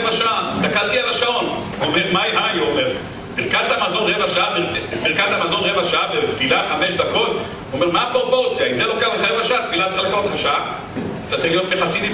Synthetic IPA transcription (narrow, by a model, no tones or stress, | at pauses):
vaʃaʔaist̪akalt̪iʁevaʃao̞nveomeʁmaiɦajomeʁ | biʁkat̪hamazo̞nʁevaʃaabibiʁkat̪amazo̞nʁevaʃaabet̪filaχameʃd̪ako̞t̪ | omeʁmaːpoopo̞ʁt͡sjaizelokeaeχaʁevaʃaat̪filattelekaʁot̪eaʃaa | at̪at̪ʁilijo̞t̪beχasid̪i